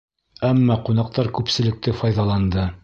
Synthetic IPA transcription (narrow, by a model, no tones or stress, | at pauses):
æmːɑqunɑq̚t̪ɑɾkʉpsɘ̆lɘ̆k̚t̪ɘfɑjðɑlˠɑnd̪ɤ